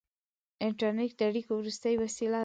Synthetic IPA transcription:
ɪɳʈɑɾneʈ̚d̪aɽikowɾust̪əjwasila

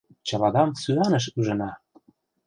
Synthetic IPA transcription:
t͡ɕɑlɑd̪ɑmsyɑnə̆ʃ̬yʒə̆nɑ

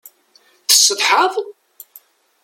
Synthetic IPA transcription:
θə̥sːəðˤħəðˤ

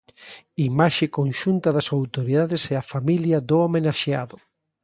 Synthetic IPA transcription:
imaʃekõnʃunt̪ɐðɐsawt̪oɾiðaðesɛafamiljɐðʊomenaʃea̰ðʊ

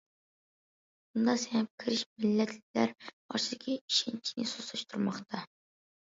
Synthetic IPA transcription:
bund̪ɑsɛnp̚kʲʰɪɾɪʃmɪlːɛt̪ʰlʲlæɾ | ɑ̰ɾt͡ʃʰid̪ɪkʲʰiiʃent͡ʃʰinɪsosɨʃt̪ʰuɾmɑχt̪ʰɑ

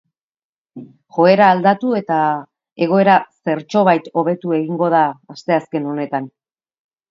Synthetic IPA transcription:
ʝo̞e̞ɾaːld̪at̪ue̞t̪a | e̞ɣ̞o̞e̞ɾase̞ɾt͡ʃo̞β̞ajt̪o̞β̞e̞t̪ue̞ɣiŋɡo̞ð̞aːst̪e̞aske̞no̞ne̞t̪an

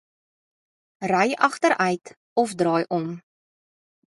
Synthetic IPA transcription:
rœjɐχtəɾœɥt | ɔfdrɑːjʔɔm

